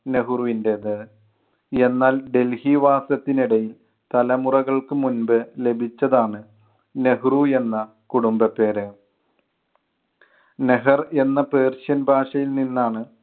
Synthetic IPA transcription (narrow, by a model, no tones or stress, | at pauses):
ne̞ɦuruʋindeðɨ | e̞nːaːlɖe̞lhiʋaːsɐt̪ːiniɽɐjil | t̪ɐlɐmurɐɣɐɭkɨmunbɨle̞bʱit͡ɕːɐðaːɳɨ | ne̞ɦrue̞nːɐ | kuɽumbɐpːe̞ːɾɨ | neɦɐre̞nːɐpe̞ːrɕɐnbʱaːʂɐjilninːaːɳɨ